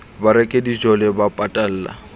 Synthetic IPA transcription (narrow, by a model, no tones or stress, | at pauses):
baɾɛkʼedid͡ʒɔlɛbapʼatʼal̩ːla̰